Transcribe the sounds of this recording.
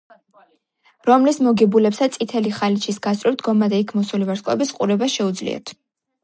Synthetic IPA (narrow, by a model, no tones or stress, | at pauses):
ɾɔmlismɔɡɛbulɛpsasʼit̪ʰɛliχalit͡ʃʰisɡast̪ʼɾivd̪ɡɔmad̪ɛikʰmɔsulivaɾskʼɔɛ̰bisqʼuɾɛbaʃɛud̪zlḭɔ̰t̪ʰ